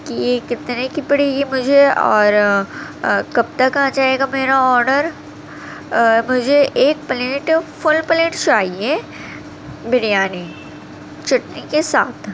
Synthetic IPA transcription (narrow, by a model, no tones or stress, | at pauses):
kijekɪt̪nekɪpɽejemʊd͡ʒʱeɔ̰ːɾ | kɐb̚t̪akɐɦãt͡ʃaːeːɡameːɾaɔːɾnəɾ | mʊd͡ʒʱeʔeːk̚pɐleʈfʊlpəlẽːʈt͡ʃaːɦie | bɪɽijaːni | t͡ʃɐʈnikesa̰ːt̪ʰ